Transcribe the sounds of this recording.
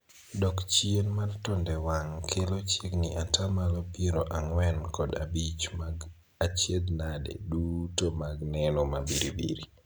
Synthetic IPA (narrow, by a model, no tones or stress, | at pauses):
dɔkt͡ʃienmartɔndɛwaŋkʰelot͡ʃeɡniʔatamalopjeɾoʔaŋwɛnkɔda̰bit͡ʃmɡ | at͡ʃjed̪nadḛdutomaɡnɛnɔmabiɾḭbḭɾi